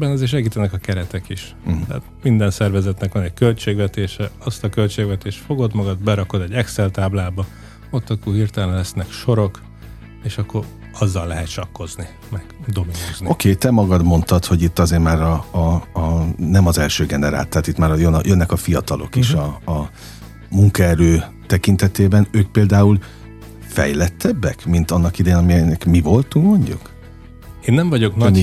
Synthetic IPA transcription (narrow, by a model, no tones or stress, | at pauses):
bɛnɒzeːrʃ̬ɛɡiːt̪ɛnɛkɒkɛɾɛt̪ɛkiʃ | t̪ɛ̰ːt̪̚mind̪ɛnsɛrvɛzɛt̪nɛkʋɒnɛckø̞lt͡ʃeːɡʋɛt̪eːʃɛɒst̪ɒkø̞lt͡ʃeːɡʋɛt̪eːʃt̪fo̞ɡo̞d̪mɒɡɒd̪bɛɾɒko̞d̪ɛɟːɛksɛlt̪aːblaːbɒ | o̞t̪ːɒkuɦirt̪ɛlɛnlɛsnɛkʃo̞ɾo̞k | eːʃɒkːo̞ɾ | ɒzːɒlːɛɦɛt̪ʃɒkːo̞zni | mɛɡ̥d̪o̞minozniokʰeːt̪ɛmɒɡɒd̪mo̞nt̪ɒt̪ho̞ɟit̪ːɒzeːɾmaːɾɒː | nɛmɒzɛlʃøːɡɛnɛɾa̰ːlt̪ːɛaːt̪it̪maːɾɒjønjønːɛkɒfijɒt̪ɒlʔo̞̰kiʃɒː | muŋkɒɛɾøːt̪ɛkint̪ɛt̪eːbɛnøːk̚peːld̪aːul | fɛ̰jlɛt̪ʰːɛbːɛ̰kmint̪ɒnːɒkid̪ɛjeːnɒmiɛnɛkmivo̞lt̪uŋkmo̞ɲɟṵk | eːnːɛɱvɒɟo̞knɒ